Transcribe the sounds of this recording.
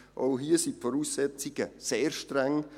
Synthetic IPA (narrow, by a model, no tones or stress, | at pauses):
ʔoʊɦiəsipfɔɾuːsːɛt͡siɡ̥əseːɾʃtɾɛŋ